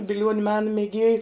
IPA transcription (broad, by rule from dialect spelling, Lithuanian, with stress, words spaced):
bʲɪˈlʲuɔnʲʊ ˈmʲæːnɐ mʲɛˈɡʲeːjʊ